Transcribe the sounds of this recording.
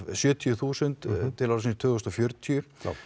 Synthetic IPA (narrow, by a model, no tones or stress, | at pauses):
sjʏːt̪ʰjʏθuːsənt̪t̪ʰːɪlaɾsinst̪ʰʏːɣʏst̪ɔfjœɾt̪ʰjʏ